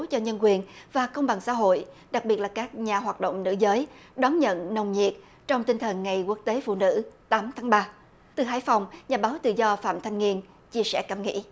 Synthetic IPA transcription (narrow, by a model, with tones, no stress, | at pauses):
t͡ɕɔ˧ɲə˧nkwi˨˩ənvaː˨˩kə˧wŋ͡mɓa˨˩ŋsa̰ː˧˥ɦo̰˧˨jɗa˨˩k̚ɓi˨˩ət̚laː˨˩kaː˦˥k̚ɲaː˨˩ɦwaː˨˩t̚ɗo̰˧˨wŋ͡mnɨ̰˧˥zəː˨˦jɗɔ˨˦nɲə̰˧˨nnə˧wŋ͡mɲḭ˨˩ət̚ | t͡ɕɔ˧wŋ͡mt̪i˧ŋt̪ʰə˨˩nŋa˨˩jku˦˥ək̚t̪e˨˦fṵ˧˨nɨ̰˧˥t̪aː˨˦mt̪ʰaː˨˦ŋɓaː˧ | t̪ɨ˨˩ɦaː˨˦jfa˨˩wŋ͡mɲaː˨˩ɓaː˨˦wt̪ɨ̰˧˨zɔ˧fa̰ː˧˨mt̪ʰa˧jŋ̟ŋi˧ən | t͡ɕi˧əsɛ̰˧˥˩kaː˧˩mŋḭ˧˥